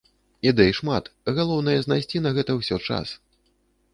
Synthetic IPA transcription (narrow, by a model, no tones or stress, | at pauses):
id̪ɛjʂmat̪ɣalˠɔwn̪ɐjɐznajsʲt͡sʲinɐɣɛt̪ɐwsʲɔt͡ʂa̰s